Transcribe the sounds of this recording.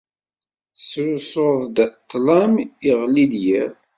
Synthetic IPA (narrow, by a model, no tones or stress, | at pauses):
θswsoðˤd̪t̪ːlæmiʁlid̪jæɾ